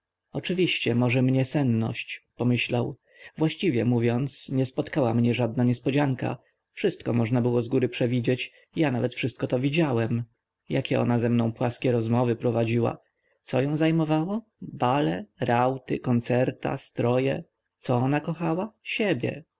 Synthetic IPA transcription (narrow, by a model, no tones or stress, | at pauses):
ɔt͡ʂɘvʲiɕt͡ɕɛmɔʐɛmɲɛsɛnːɔ̰ɕt͡ɕpɔmɘɕlaw | vwaɕt͡ɕivʲjɛmuvʲjɔnt̪sɲɛspɔt̪kawamɲɛʐad̪̚naɲɛspɔd͡ʑaŋka̰ | fʂɘst̪̚kɔmɔʐnabɘwɔzɡuɾɘpʂɛvʲid͡ʑɛt͡ɕ | janavɛt̪fʂɘst̪̚kɔt̪ɔvʲid͡ʑawɛm | jakʲɛʔɔ̰nazɛmnɔ̃w̃pwaskʲɛɾɔzmɔvɘpɾɔvad͡ʑiwa̰ | t̪sɔjɔ̃w̃zajmɔvawɔ | balɛɾawt̪ɘkɔnt̪sɛɾt̪a̰st̪ɾɔjɛ̰ | t̪sɔɔnakɔxawaɕɛbʲjɛ̰